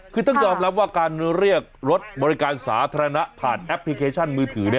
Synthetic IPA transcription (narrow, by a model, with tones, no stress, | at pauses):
kʰɯː˧t̪ɔ˥˩ŋjɔː˧mɾa˦˥p̚waː˥˩kaː˧nɾi˥˩ək̚ɾo˦˥t̪̚bɔː˧ɾi˦˥kaː˧nsa̰ː˩˦t̪ʰaː˧ɾa˧na˦˥ʔpʰaː˨˩nʔɛ˦˥pʰli˦˧kʰeː˧t͡ɕʰa˥˩nmɯː˧t̪ʰɯː˩˦ni˥˩